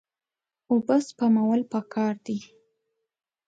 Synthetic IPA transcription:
ʊbəspamawəlpəkʰɑɾd̪i

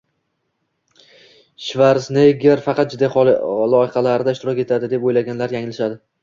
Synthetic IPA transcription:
ʃvaɾsnejɡʲeɾfɑqɑt̪̚d͡ʒɪd̪ːajχɒllˠɒɪqɑlaɾɪd̪aɪʃt̪ɪɾɒkʲe̞t̪ʰad̪ɪd̪e̞pojlaɡʲanlaɾjaŋɪlɪʃad̪ɪ

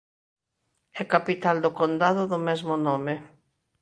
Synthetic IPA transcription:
ɛkapit̪ald̪ʊkond̪aðʊðʊmɛzmʊnomɪ

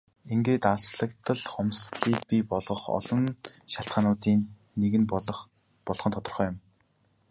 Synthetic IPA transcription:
eŋɡeːt̪aɮsɮə̆kt̪ə̆ɮχɔmsɮiːk̚pʲiːpɔɮʁɞ̆χɔ̰ɮɞ̆nʃaɬt̪χaːnʊːt̪iːnː | eɣɘ̆n | pɔɮχɞ̆nt̪ʰɔt̪ɞ̆rχœːjʊ̆m

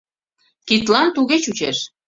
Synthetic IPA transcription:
kit̪lɑnt̪uɣet͡ɕut͡ɕeʃ

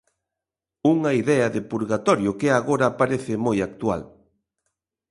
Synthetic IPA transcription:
uŋɐiðɛɐðɪpuɾɣat̪ɔɾjʊkɪaɣoɾapaɾeθɪmojak̚t̪ua̰l

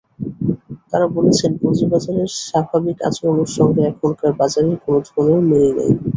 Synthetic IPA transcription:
t̪aɾabolet͡ɕʰenpod͡ʑibad͡ʑaɾeɾʃabʱabika̰t͡ɕoonoɾʃɔŋɡeɛkʰonkaɾbad͡ʑaɾeɾkonod̪ʱoneomeɾena̰j

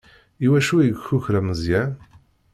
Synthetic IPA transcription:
iwæʃuɡçuçɾæməzjæ

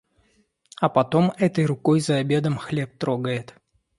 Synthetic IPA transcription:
ɐpɐt̪o̞mɛt̪əjrʊkojzɐːbʲe̞d̪əmxlʲep̚t̪ɾoɡəjɪt̪

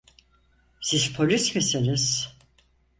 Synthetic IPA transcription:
siz̥pʰolʲismisiniz̥

